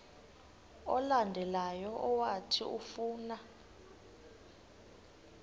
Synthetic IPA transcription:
ɔlandʱɛlajɔʔɔwatʰḭufuːna

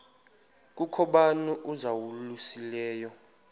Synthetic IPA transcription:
k̬ʼukʰɔɓanuʔuzawulusilɛːjɔ

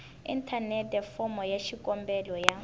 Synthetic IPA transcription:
ḭn̩tʰanɛtʼɛfɔmɔjaʃikʼɔmbɛlɔja

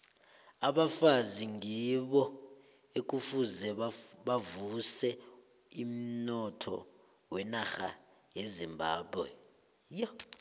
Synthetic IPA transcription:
aɓafaziŋiɓɔ | ek̬ʼufuzɛɓavusɛ | im̩nɔtʰɔ̰ | wɛnaxa̰ | jezimbʱaːɓwɛ | jɔ

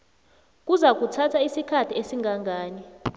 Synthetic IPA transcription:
k̬ʼuzak̬ʼutʰatʰaisikʰatʰiesiŋɡʱaŋɡʱaːni

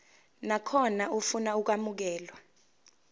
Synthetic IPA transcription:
nakʰɔnaufunauk̬wamuk̬ɛːlwa

